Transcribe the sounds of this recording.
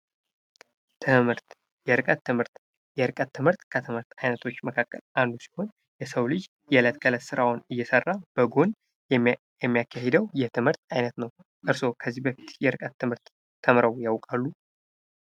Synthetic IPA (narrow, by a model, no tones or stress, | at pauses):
t̪ʰɨmhɨɾt̪ | jɛɾɨkʼət̪ːɨmhɨɾt̪ | jɛɾɨkʼət̪ʰːɨmhɨɾt̪kʰət̪ʰɨmɨɾt̪ajnət̪ʰo̞t͡ʃːməkʰakːəlʔand̪usi̥ho̞n | jɛsəwlɨd͡ʒ | jɛlət̪kʰʼələsɨɾawnɨjːɛsərːab̥əɡo̞n | ɛ | jɛmːijakʰːahed̪əwjɛt̪ʰɨmhɨɾt̪ajnət̪nəw | ʔɨɾso̞kʰəzːibəfi̥t̪jɛɾɨkʼət̪ːɨmhɨɾt̪ʰː | əmɾəwjawkʼalːu